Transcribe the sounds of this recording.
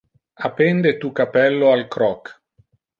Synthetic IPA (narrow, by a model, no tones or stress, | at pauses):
apend̪et̪ukapɛlːoalkɾɔk